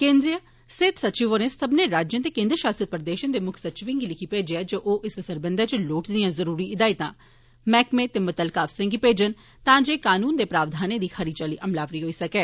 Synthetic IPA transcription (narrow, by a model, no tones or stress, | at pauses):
kẽːnd̪ɾijə | sɪt̪sətːt͡ʃiʋoɾẽːsəbneːɾaːd͡ʒjə̃ːt̪eːkẽːnd̪ɾəʃaːst̪ɾət̪̚pəɾəd̪eːʃə̃nd̪eːmʊkʰsətːt͡ʃʋɪ̃ŋɡilɪkʰipeːd͡ʒeɛd͡ʒoːʔoːʔɪsəsəɾbənd̪aːt͡ʃloːʈd̪ijãːzəɾuːɾiːʔɪd̪aːɪt̪ãː | mɛːkmẽːt̪eːmət̪əlkaːfsɾə̃ŋɡipeːd͡ʒən | t̪ãːd͡ʒeːkaːnuːnd̪eːpɾaːʋd̪ʱaːnẽːd̪iːxʰəɾiːt͡ʃəlḭːʔəmlaːʋɾiːɦoːiːsəkɛː